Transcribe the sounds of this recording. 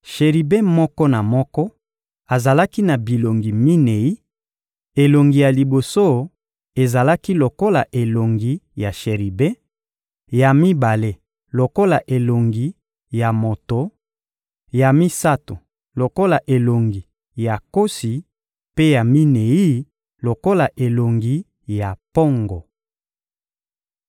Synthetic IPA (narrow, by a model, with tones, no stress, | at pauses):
ʃe˨ʁi˨be˦mɔ˦kɔ˦na˨mɔ˦kɔ˦ | a˨za˨la˦ki˦na˨bi˨lo˨ŋɡi˨mi˦ne˨i˦ | e˨lo˨ŋɡi˨ja˨li˨bo˨so˦ | e˨za˨la˦ki˦lo˨ko˦la˨ʔe˨lo˨ŋɡi˨ja˨ʃe˨ʁi˨be˦ | ja˨mi˦ba˨le˦ | lo˨ko˦la˨ʔe˨lo˨ŋɡi˨ | ja˨mo˨to˨ | ja˨mi˦sa˦to˨ | lo˨ko˦la˨ʔe˨lo˨ŋɡi˨ | ja˨ko˦si˨ | pe˦ja˨mi˦ne˨i˦ | lo˨ko˦la˨ʔe˨lo˨ŋɡi˨ | ja˨po˦ŋɡɔ˨